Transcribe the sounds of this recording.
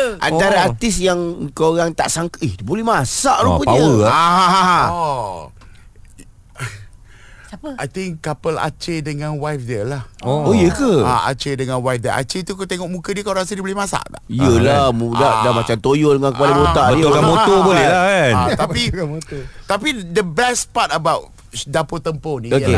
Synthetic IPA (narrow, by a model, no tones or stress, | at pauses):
ʔanaɾaart̪ɪsjaŋkaoɾaŋt̪a̰ʔsaŋkəʔiht̪ubolɛhmasaʔɾupəpiawəaɦãɦaã | ajt̪ɪŋapəla̰t͡ʃedəŋãnwajfdəlahoojəkəa̰a̰t͡ʃedəŋãnwajfdə̰ʔa̰t͡ʃet̪ukat̪eŋɔʔ̚mũkədiəkawɾas̬ədibolehmasa̰ʔda̰ʔjəlamudadamat͡ʃamt̪ojodəŋankəpalibot̪aʔokamot̪obolɛhlakanat̪apimot̪apidəbɛspat̚əbawt | dapot̪əmponĩoe